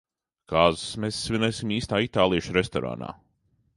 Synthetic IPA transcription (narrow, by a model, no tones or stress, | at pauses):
kaːzusmesːvʲinɛsimiːst̪aːit̪aːlˠiɛʃɾest̪ɔɾa̰ːna̰ː